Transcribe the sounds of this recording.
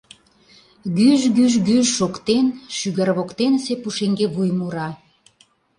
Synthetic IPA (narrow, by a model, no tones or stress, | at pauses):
ɣyʒɡyʒɡyʒʃokt̪enʃyɣərβokt̪ensepuʃeŋɡeβujmuɾɑ